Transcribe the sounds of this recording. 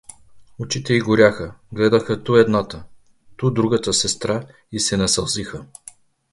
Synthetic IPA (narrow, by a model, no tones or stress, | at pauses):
ot͡ʃit̪ɛiɡʊɾʲaxəɡlɛd̪əxət̪uɛd̪nat̪ə | t̪ud̪ɾuɡət̪əsɛst̪ɾa | isɛnɐsɐlˠzixə